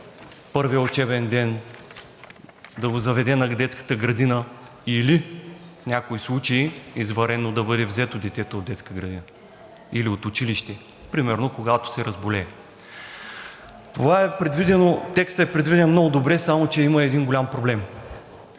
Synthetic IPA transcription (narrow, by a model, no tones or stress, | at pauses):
pɤɾviəot͡ʃɛbɛnd̪ɛn | d̪ɐɡzɐvɛd̪ɛnɐd̪ɛt̪skə̥t̪əɡɾɐd̪inəilifnʲakoislˠut͡ʃɐiizvɐɾɛnːod̪ɐbɤd̪ɛvzɛt̪od̪ɛt̪ɛt̪ooːd̪ɛt̪skəɡɾɐd̪inə | iliot̪ʊt͡ʃiliʃt̪ɛ | pɾimɛɾnokoɡat̪o̥sɛɾɐzbolɛː | t̪ovaɛpɾɛd̪vid̪ɛnot̪ɛkst̪əɛpɾɛd̪vid̪ɛnmnɔɡʊd̪obɾɛsamot͡ʃɛiməɛd̪inɡolʲampɾoblɛm